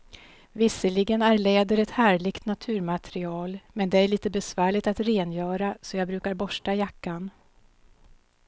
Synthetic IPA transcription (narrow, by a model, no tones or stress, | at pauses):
vɪsəlɪɡənæɾleːd̪əɾɛt̪hæːɭɪɡt̪nat̪ʰʉ̟ːɾmat̪ʰɾɪɑːlmɛnd̪ɛæɭiːt̪əbɛsvæːɭɪɡt̪at̪ɾeːnjœːɾasɔjɑːɡbɾʉ̟ːkaɾbɔʂʈajakːan